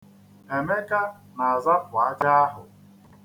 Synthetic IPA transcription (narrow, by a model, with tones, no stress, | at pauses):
e˨me˦ka˦ | na˨a˨za˦pʊ˨a˦d͡ʒa˦a˦ɦʊ̰˨